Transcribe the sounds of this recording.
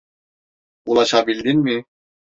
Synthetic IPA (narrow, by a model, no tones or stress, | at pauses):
ulˠaʃabilʲd̪inmi